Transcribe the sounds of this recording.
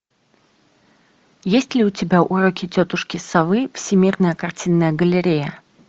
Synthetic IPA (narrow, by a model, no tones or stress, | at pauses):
jesʲtʲlʲɪʊtʲɪbʲaʔuɾokʲɪtʲot̪ʊʂkʲɪsavɨfsʲɪmʲirnəjəkɐrtʲinːəjəɡəlʲɪɾʲejə